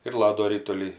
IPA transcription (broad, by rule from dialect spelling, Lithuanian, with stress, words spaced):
ɪr ˈlˠɑːdoː ˈrʲɪtʊlʲiː